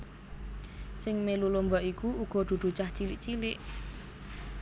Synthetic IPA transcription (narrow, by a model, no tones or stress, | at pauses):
sɪŋmelulumbɔʔikuuɡ̥ɔ̤d̪̥ṳd̪̥ṳt͡ʃaht͡ʃilɪʔt͡ʃilɪʔ